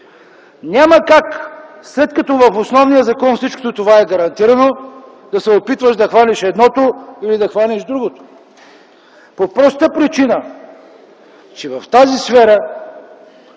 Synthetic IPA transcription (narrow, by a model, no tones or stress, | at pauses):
nʲaməkak | slɛt̪kɐt̪ɔvɐfosnɔvnijəzɐkɔnfsit͡ʃko̥t̪ot̪ovaɛɡɐɾɐnt̪iɾɐno | d̪ɐsɛopit̪vəʃd̪ɐxvaliʃɛd̪nɔt̪oilid̪ɐxvalʲiʒd̪ɾuɡot̪o̥ | popɾɔst̪əpɾit͡ʃinə | t͡ʃɛvɐft̪azisfɛɾə